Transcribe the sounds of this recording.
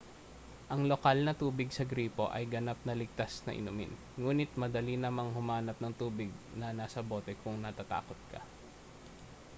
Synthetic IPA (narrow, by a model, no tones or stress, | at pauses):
ʔɐŋlokalnɐt̪uːbɪɡsɐɡɾiːpo̞ʔɐjɡɐnap̚nɐlɪɡ̚t̪asnɐ̰ʔɪ̰nʊmɪ̰n | ŋuːnɪt̪̚mɐd̪ɐlinɐmaŋhʊmaːnɐp̚nɐŋt̪uːbɪɡ̚nɐnaːsɐbo̞ːt̪ɛkʊŋnɐt̪at̪a̰ːkot̪̚kʰɐ̰